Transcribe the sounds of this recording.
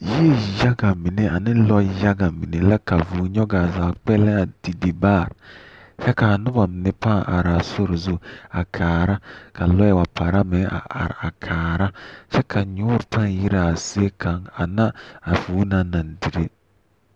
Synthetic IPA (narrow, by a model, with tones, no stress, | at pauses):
ji˦e˦ja˦ɡa˨mi˨ne˦a˨nɪ˦lɔ˦ja˦ɡa˨mi˨ne˨la˦ka˨vuː˨˦ɲɔ˦ɡa˨zaː˨k͡pɛ˦lɛ̃˦a˨d̥i˨di˨ba˦˨ɾ | ʃa˦ka˨nʊ˦ba˨m˨nɪ˦pã˦˨ʔa̰˨ɾa˨so˦ɾzu˦a̰˨kʰaː˨ɾa˦ka˨lɔ˦ɛ˨wa˨pʰa˨ɾa˦mɛ˨˦ʔa̰˨a̰˨ɾa˨kʰaː˨ɾa˦ʃɛ˦kʰa˨ɲu˦ɾtã˦ŋ˨ji˦ɾa˨si˦e˦kʰa˨˦ŋa˨na˦a˨vuː˨˦na˨nã˨n˨di˨ɾe˦